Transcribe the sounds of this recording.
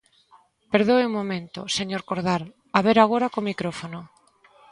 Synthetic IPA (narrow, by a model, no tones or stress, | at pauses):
peɾðoeuŋmomẽnt̪o̰seɲoɾkoɾðaɾ | aβeɾaɣ̞oɾakomikɾofono